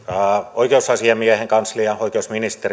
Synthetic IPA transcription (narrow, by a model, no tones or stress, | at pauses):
oikeusɑsiɑmiæheŋkɑnsliɑoikeusminist̪er